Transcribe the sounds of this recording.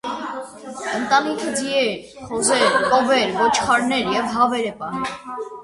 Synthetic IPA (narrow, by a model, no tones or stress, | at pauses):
ənt̪ɑnikʰəd͡ziɛɾ | χɔzɛɾpɔvɛɾvɔt͡ʃʰχɑɾnɛɾjɛvɦɑvɛɾɛpɑnum